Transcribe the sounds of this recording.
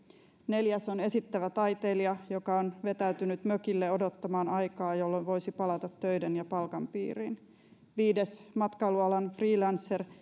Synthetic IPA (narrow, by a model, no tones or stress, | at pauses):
ne̞ljæso̞ne̞sit̪ːæʋæt̪ɑjt̪e̞ːliɑjo̞kɑonʋe̞t̪æyt̪ynyt̪møkilːeodo̞t̪ːɑmɑːnɑjkɑːjo̞lːonʋo̞jsipɑlɑt̪ɑt̪ːø̞jdenjɑpɑlkɑmpḭːrḭn | ʋiːdesmɑt̪kɑluɑlɑnfriːlɑnsːer